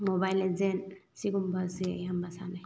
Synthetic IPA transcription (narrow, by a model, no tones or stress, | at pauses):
mobajlezensiɡumbasejambasa̰naj